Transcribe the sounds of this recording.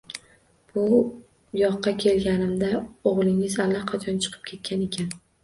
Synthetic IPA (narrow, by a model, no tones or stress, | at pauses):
b̥ʊ | jɒqːɑkʲʰe̞lɡʲanɪmd̪aoʁlˠɪŋɪzalːaqʰɑt͡ʃʰɒnt͡ʃʰɨ̥qʰɨ̥p̚kʲʰe̞t̪̚kʲʰane̞kʲʰan